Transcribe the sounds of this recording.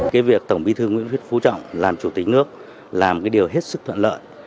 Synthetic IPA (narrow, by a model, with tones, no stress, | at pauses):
kaː˨˦jvi˨˩ək̚t̪ə˧˩wŋ͡mɓi˧t̪ʰɨ˧ŋw̰i˧˥nt̪wi˦˥t̚fu˨˦t͡ɕɔ̰˧˨wŋ͡mlaː˨˩mt͡ɕu˧˩t̪i˨˩k̟̚nɨ˦˥ək̚ | laː˨˩mkaː˨˦jɗi˨˩əwɦe˦˥t̚sɨ˦˥k̚t̪ʰə̰˧˨nlə̰ː˧˨j